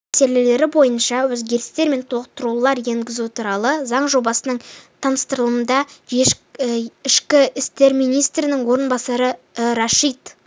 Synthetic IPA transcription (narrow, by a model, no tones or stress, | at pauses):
se̞le̞le̞ɾɪbo̞jənʃɑwɵzɡʲe̞ɾɪst̪e̞ɾme̞nt̪ʰolət̪ːəɾulˠɑɾje̞ŋɡʲɪzut̪ʰuɾɑlˠəzɑɴʒo̞bɑsənəɴt̪ʰɑnəst̪əɾəlˠəənd̪ɑe | ɪʃkʲɪɪst̪e̞ɾmijnijst̪ɾɪnɪŋwo̞ɾənbɑsɑɾə | ɾɑʃit̪